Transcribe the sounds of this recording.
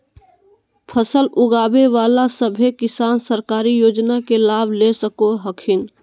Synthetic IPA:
pʰəsəlʔʊɡaːbeʋaːlasəbʱekɪsaːnsəɾkaːɾijoːd͡ʒnakelaːbʱlesəkoɦəkʰɪn

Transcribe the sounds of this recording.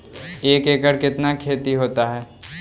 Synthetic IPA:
eːkeːkəɾkɪt̪nakʰeːt̪iɦoːt̪aɦɛː

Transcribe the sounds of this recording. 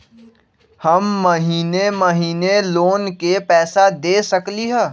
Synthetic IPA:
hɐmːɐɦiːnemɐɦiːneloːnkepɛːsad̪eːsɐkliɦɛː

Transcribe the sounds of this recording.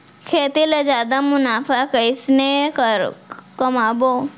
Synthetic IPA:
kʰeːt̪ilɐd͡ʒaːd̪amʊnaːfakɐɪsneɾkɐmaːbo

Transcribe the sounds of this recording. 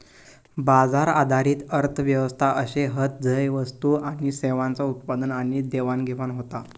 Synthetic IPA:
bad͡zaɾad̪ʱaɾiːt̪əɾt̪ʰəʋjəʋəst̪ʰaʔəɕeɦət̪̚d͡zəjʋəst̪uaɽ̃iseʋãnt͡saut̪̚pad̪ənaɽ̃id̪eʋanɡʱeʋanɦot̪a

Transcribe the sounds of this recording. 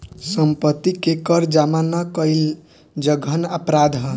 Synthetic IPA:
səmpət̪ːikekəɾd͡ʒamanakəil | d͡ʒəɡʱənəpɾad̪ʱɦən

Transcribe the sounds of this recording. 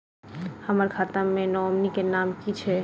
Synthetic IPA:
həməɾkʰat̪əmmẽnɔəmnikenamkit͡ʃʰɛ

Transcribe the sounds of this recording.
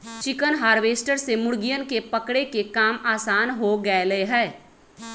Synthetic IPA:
t͡ʃɪkənɦaːɾʋeːsʈəɾsemʊɽɡijənkepɐkɽekekaːmaːsaːnɦoɡəeləeɦɛː

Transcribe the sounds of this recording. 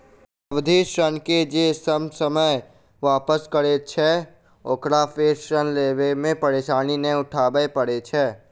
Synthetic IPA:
əʋd̪ʱiʃənked͡ʒesəmsəməj | ʋaːpəskəɽet͡ʃʰɛ | oːkɽapʰeːsʃənleːbemẽpəɾeːʃaːninə̃ʊʈʰaːbəepəɽet͡ʃʰɛː

